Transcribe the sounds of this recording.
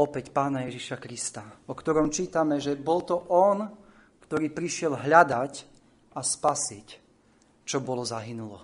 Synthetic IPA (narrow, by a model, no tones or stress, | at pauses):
ɔpɛcpaːnajɛʒiʃakɾist̪aɔkt̪ɔɾɔmt͡ʃiːt̪amɛʒɛbɔlt̪ɔʔɔn | kt̪ɔɾiːpɾiʃɪɛlɦʎad̪ac | aspasic | t͡ʃɔbɔlɔzaɦinulɔ